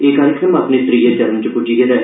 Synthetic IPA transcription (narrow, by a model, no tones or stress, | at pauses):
eːkaːɾɪkɾəmaːpneːt̪ɾiːet͡ʃəɾəmt͡ʃəpʊd͡ʒiːɡeːd̪ɛː